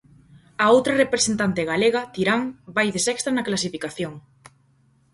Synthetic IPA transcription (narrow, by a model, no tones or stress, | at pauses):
ɐowt̪ɾɐrepɾesent̪ant̪eɣaleɣɐt̪iɾaŋbajðesɛkst̪ɾanɐklasifikaθjoŋ